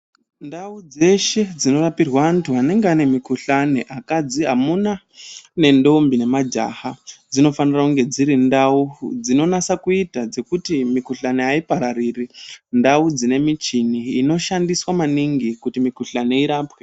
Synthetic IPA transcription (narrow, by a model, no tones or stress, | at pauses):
ndaud͡ze̞ʃe̞d͡zino̞rapirwaːntʰuane̞ŋɡeane̞mikuɬane̞ʔakad͡ziɦamuna | ne̞ndo̞mbine̞mad͡ʒa̰had͡zino̞fanirakuŋɡe̞d͡ziɾindaud͡zino̞nasakuitad͡ze̞kutimikuɬaneaipaɾariːrindaud͡zine̞mit͡ʃiniːno̞ʃandiswamaniŋɡikutimikuɬane̞iɾaːpwe